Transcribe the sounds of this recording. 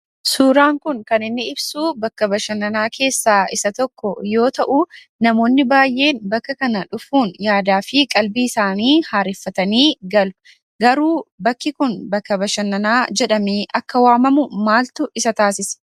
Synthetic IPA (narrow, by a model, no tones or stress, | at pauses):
suːɾaːŋkʊŋkɐnɪnːɪɪbsuːbɐkːɐbɐʃɐnːɐnaːkʰe̞ːsːaːɪsɐt̪ɔkːɔjo̞ːt̪ɐʔuː | nɐmo̞ːnːɪbaːjʔe̞ːnbɐkːɐkɐnɐᶑʊfuːnjaːd̪aːfɪkʼɐlbiːɪsaːniːhaːɾɪfːɐt̪ɐniːɡɐlʊ̥ | ɡɐɾuːbɐkːɪkʊnbɐkːɐbɐʃɐnːɐnaːd͡ʒɛᶑɐmiːʔɐkːɐwaːmɐmʊmaːlt̪ʊʔɪsɐt̪aːsɪs